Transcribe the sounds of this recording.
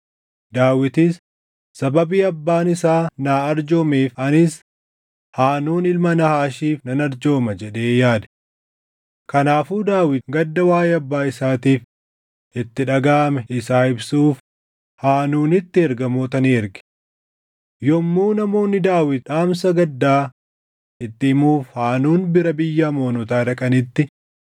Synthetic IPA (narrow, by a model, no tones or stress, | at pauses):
d̪aːwɪt̪ɪsː | ɐbɐbiːɐbːaːnɪsaːnaːɐɾd͡ʒoːmeːfɐnɪs | haːnuːnɪlmɐnɐhaːʃiːfnɐnɐɾd͡ʒo̞ːmɐd͡ʒɛᶑe̞ːjaːd̪ | kɐnaːfuːd̪aːwɪt̪ɡɐd̪ːɐwaːjeɐbːaːɪsaːt̪iːf | ɪt̪ːɪᶑɐɡaːɐmɛʔɪsaːɪbsuːf | haːnuːnɪt̪ːɪɛɾɡɐmoːt̪ɐniːɛɾɡɪ̥ | jɔmːuːnɐmo̞ːnːɪd̪aːwɪt̪̚ᶑaːmsɐɡɐd̪ːaː | ɪt̪ːɪɪmuːfhaːnuːnbɪɾɐbɪjːɐmo̞ːnɔt̪aːᶑɐkʼɐnɪt̪ːɪ